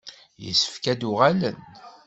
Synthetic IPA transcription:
jə̰sːə̥fkæd̪ʊʁælən

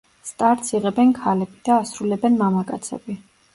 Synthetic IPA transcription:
st̪ʼaɾt̪sʰiʁɛbɛnkʰalɛbid̪̥aːsɾulɛbɛnmamakʼat̪sʰɛ̰bi

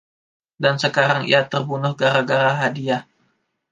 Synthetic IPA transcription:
dansəkaɾaŋḭat̪ərbunʊhɡaɾaɡaɾaɦadia

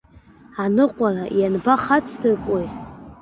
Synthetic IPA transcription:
anɨqʷʼarajanbaχat͡sʰdɨrkʷʼoj

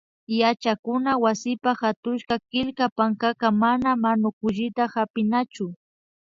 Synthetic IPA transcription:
jat͡ʃakʊnawasɪpaxat̪ʊʃkakɪlkapaŋkakamanamanʊkʊʎɪt̪ahapɪnat͡ʃʊ

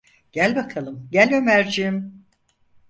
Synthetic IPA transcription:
ɟ̥ælʲbakʰalˠɯmɟælʲømæɾd͡ʒim

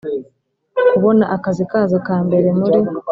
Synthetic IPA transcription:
kuβo̞naʔakazikaːzokaːmbe̞ɾe̞muɾi

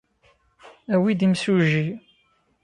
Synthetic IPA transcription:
æwid̪imsuʒi

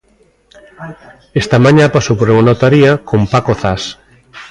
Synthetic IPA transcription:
est̪amãɲapasowpoɾeŋonot̪aɾiakompakoθas

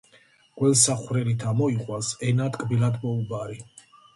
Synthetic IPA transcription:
ɡ̥ʼwɛlˠsaχwɾɛlit̪ʰamɔiqʼwasɛnat̪ʼkʼbilad̪mɔubaɾi

